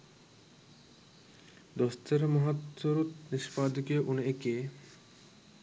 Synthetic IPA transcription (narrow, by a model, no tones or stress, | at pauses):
d̪ɔst̪ʰeɾmɔɦat̪ːoɾut̪niʃpad̪ikeʔuneke